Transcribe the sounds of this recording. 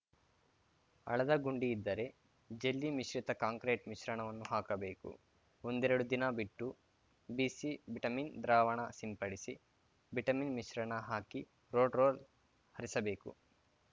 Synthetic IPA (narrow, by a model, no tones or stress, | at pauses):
ɐ̰ɭɐd̪ɐɡuɳɖiːd̪ːɐɾe̞ | d͡ʒelːimiʃɾit̪ɐkaːŋkɾeːʈmiʃɾɐɳɐʋɐnːuɦaːkɐbe̞ːkṵ | o̞nd̪ɛɾɐɽud̪inɐbiʈːu | biːsibiʈɐmiːnd̪ɾaːʋɐɳɐsimpɐɽisi | biʈɐminmiʃɾɐɳɐɦaːki | ɾoːɖɾoːl | hɐɾisɐbe̞ːkṵ